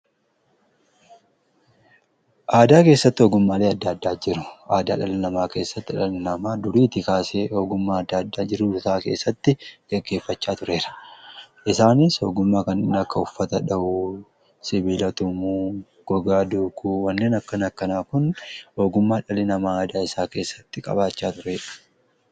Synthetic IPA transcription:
ʔaːd̪aːke̞ːsːɐt̪ːɪoːɡʊmːaːle̞ːɐd̪ːɐːd̪ːaːd͡ʒɪɾʊ̥ʔaːd̪a̰ːᶑɐlɪnɐmaːke̞ːsːɐt̪ːɪᶑɐlɪnɐmaːd̪ʊɾiːt̪ɪkaːseːoːɡʊmːaːɐd̪ːaɐd̪ːaːd͡ʒɪɾʊd̪ʊt̪aːke̞ːsːɐt̪ːɪkɛɡːe̞ːfːɐt͡ʃːaːt̪ʊɾe̞ːɾɐ̥ʔɪsaːnɪsoːɡʊmːaːkɐnɪnɐkːɐʊfːɐt̪ɐᶑɐʔu | sɪbiːlɐt̪ʊmuː | ɡ̥ɔɡaːd̪uːkuːwɐnːeːnɐkːɐnɐkːɐnaːkʊnho̞ːɡʊmːaːᶑɐlɪnɐmaːaːd̪aːɪsaːke̞ːsːɐ̥t̪ːɪkʼɐ̰baːt͡ʃːaːt̪ʊɾeːᶑɐ̥

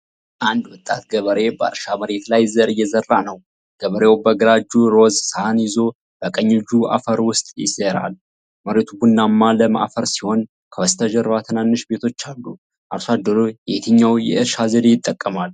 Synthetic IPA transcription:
ʔand̪wʊt̪ʼːat̪ɡəβəɾe̞bəa̰ɾʃaməɾe̞t̪lajzəɾɨjːɛzərːanəw | ɡ̥əβəɾewbəɡɾad͡ʒuɾo̞zsanjɪzo̞ | b̥əkʼəɲːɪd͡ʒua̰fəɾwʊst̪ʼjɪ̰seɾa̰l | məɾet̪ʰubunːamːaləma̰ʔfəɾsiho̞n | kʰəwəst̪ʰəʒəɾat̪ʰənanːɨʃbe̞t̪ʰo̞t͡ʃːalːu | ʔasad̪əɾojɛt̪ʰɨɲːawjɛ̰ʔɨɾʃazəd̪ejɪt̪ʼːəkʼːəmal

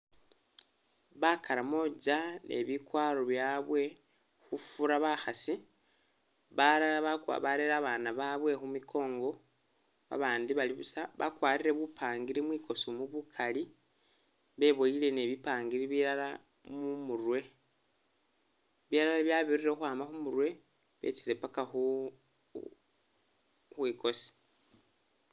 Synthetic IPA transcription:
βakaɾamo̞d͡ʒane̞̰βikwaːɾo̞βjaːβwe̞ | xufuɾaβaxasi | βaaβakwa̰βaɾeɾaβaːnaβaβwe̞xumikʰo̞ːŋɡo̞ | βa̰βaːndiβaliβusaβa̰kwaːɾiɾe̞βupʰaːŋɡiɾimwiːko̞sumuβukʰali | βe̞βoile̞ne̞βipaːŋɡiɾiβiɾala | mumurwe̞ | βiɾalaβjaβiriɾeuxwaːmaxumurwe̞ | βḛt͡siɾe̞pakaxu | xwiːko̞si̥

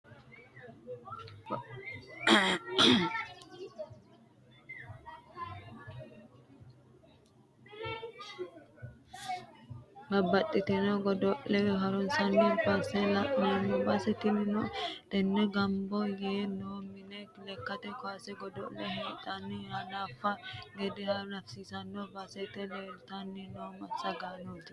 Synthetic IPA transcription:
bɐbːɐt̪ʼːɪt̪ɛnɔɡɔd̪ɔʔɛwɛɦɐɾɔnsɐnːɔpasɛlɐʔɐnːɔbɐsɛt̪ɪnɪnɔt̪ɛnːɛɡɐmbɔjeːnoːmɪnɛlɛkːɐt̪ɛkɔaːsɛɡɔd̪ɔ̰lːɛheːt̪ʼːɐnːɪjanaːfːɐɡɛd̪ɛɐnɐfsiːsɐnːɔbɐsɛt̪ɛleːlt̪ɐnːɪnomɐsɐɡaːnoːt̪ɪ

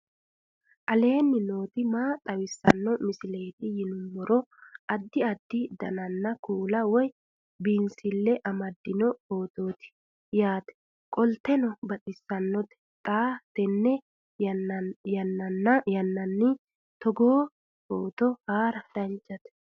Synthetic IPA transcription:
ʔɐle̞ːnːɪno̞ːt̪ɪmaːt̪ʼɐwɪsːɐ̰nːɔmɪsɪle̞ːt̪ɪjɪnʊmːɔɾɔʔɐd̪ːɪɐd̪ːɪd̪ɐ̰nɐnːɐkuːlɐwɔj | biːnsɪlːɛʔɐmɐd̪ːɪnɔo̞ːt̪oːt̪ɪ̥ | jaːt̪ɛ̥ | kʼɔlt̪ɛnɔbɐt̪ʼɪsːɐnːɔt̪ɛ̥ | t̪ʼaːt̪ɛnːɛ | jɐnːɐnːɐjɐnːɐnːɪ | t̪ɔɡoː | o̰ːt̪ɔhaːɾɐd̪̥ɐnt͡ʃːɐt̪ɛ̥

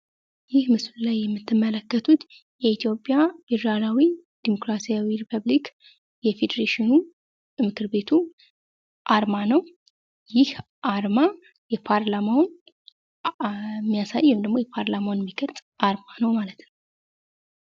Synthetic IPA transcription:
jɪhmɨslulajːɛmːɨt̪ʰːɨmːələkːət̪ʰut̪ | jɛit̪ʰjo̞pʼːjabid̪ɾalawid̪̥imo̞kɾasijawiɾipʰəβlik | jɛfe̞d̪əɾeʃɪnu | mɨkʰɨɾbe̞t̪ʰu | ʔaɾmanəw | jɪh | ʔaɾma | jɛpʰaɾlamawn | mːijasajːwimd̪əɡmo̞jɛpʰaɾlamawnmːiɡʰəɾt̪ʼʔaɾmanəwmalət̪nəww

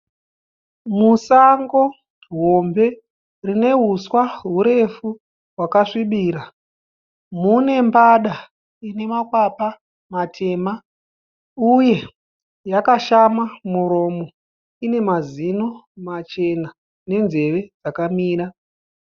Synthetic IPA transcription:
musaŋɡo̞ | ɦo̞mbe̞ | rine̞ɦuswaɦuɾe̞fu | wakaʂiɓiːɾa | mune̞mbaɗa | ine̞makwapa | matʰe̞ːma | uje̞ | jakaʃamamuɾo̞ːmo̞ | ine̞mazino̞mat͡ʃe̞na | ne̞nze̞ʋe̞d͡zakamiːɾa

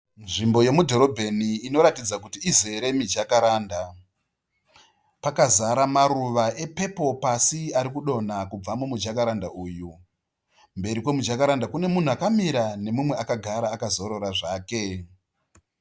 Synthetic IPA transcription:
nʐimbo̞je̞mudʱo̞ɾo̞bʱe̞niːno̞ɾatid͡zak̬utiizeɾe̞mid͡ʒakaɾaːnda | pakazaɾamaɾuʋaʔe̞pe̞po̞pasiaɾikuɗo̞nakub͡vamumud͡ʒakaɾandaʔuːju | mbe̞ɾikwo̞mud͡ʒakaɾandakune̞mun̤uakamiɾane̞mumwe̞akaɡʱaɾaːkazo̞ɾo̞ɾaʐaːke̞

